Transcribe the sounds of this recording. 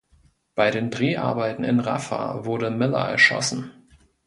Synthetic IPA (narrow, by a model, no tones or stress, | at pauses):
b̥aɪɾeːndʁeːʔa̰ɐbaɪtn̩ɪ̰nʁa̰fa̰vʊɐɾəmɪla̰ʔɛ̰ɐʃɔ̰sn̩